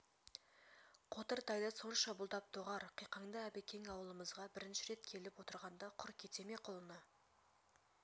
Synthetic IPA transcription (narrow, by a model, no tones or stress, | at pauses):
qʰot̪əɾt̪ʰɑjd̪ɑso̞nʃɑbəlˠd̪ɑp̚d̪oʁɑɾqʰijqɑŋd̪əæbɪkʲʰe̞ŋɑwəlˠəməzʁɑbɪɾɪnʃɪɾe̞t̪̚kʲʰe̞lɪpwo̞t̪əɾʁɑnd̪ɑqʰʊɾkʲʰe̞t̪e̞me̞qʰolˠənə